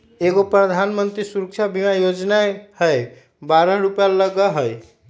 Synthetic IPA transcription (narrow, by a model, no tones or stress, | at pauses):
eɡopɾəd̪ʱanmənt̪ɾisuɾək̚t͡ʃʰabʱimajod͡ʒnahəj | baɾəɦɾupjaləɡəɦəj